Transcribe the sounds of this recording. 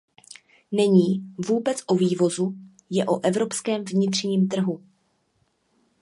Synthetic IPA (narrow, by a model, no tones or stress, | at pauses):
nɛɲiːvuːbɛt͡sʔoviːvo̞zu | jɛʔoʔɛvɾo̞pskɛːmvɲɪt̪r̝̥ɲiːmt̪r̩ɦu